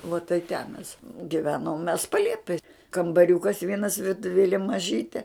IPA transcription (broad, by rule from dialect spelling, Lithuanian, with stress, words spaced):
ʋoː tɐɪ tʲɛn mʲɛs ɡʲɪˈʋʲæːnoːm mʲɛs pɐˈlʲiɛpʲɛj kɐmbɐˈrʲuːkɐs ˈʋʲiɛnɐs ʋʲɪrtʊˈʋʲeːlʲeː mɐˈʒʲiːtʲeː